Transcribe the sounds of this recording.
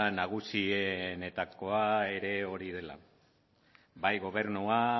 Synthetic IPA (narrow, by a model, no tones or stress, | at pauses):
naɣ̞usiene̞t̪ako̞ae̞ɾe̞o̞ɾið̞e̞la̰ | bajɣo̞β̞e̞ɾnua